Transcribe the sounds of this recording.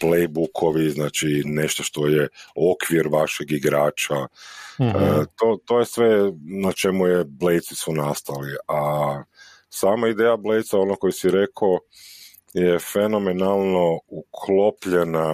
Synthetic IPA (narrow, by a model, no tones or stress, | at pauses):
plejbukʰo̞ʋiznaːt͡ʃineʃt̪o̞ʃt̪ojeo̞kʋiɾʋaʃeɡiɡɾaːt͡ʃa | t̪ot̪o̞ːjesʋe̞nat͡ʃe̞mujeblejt̪sisunast̪alia | saːmaid̪eːjable̞jt̪sao̞noko̞jisiɾe̞kʰo | jefe̞no̞menalˠno̞ukʰlo̞pʎena